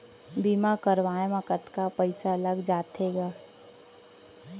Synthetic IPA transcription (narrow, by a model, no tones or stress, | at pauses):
biːmakəɾʋaːjeməkət̪kapəɪsaləɡd͡ʒaːt̪eːɡaː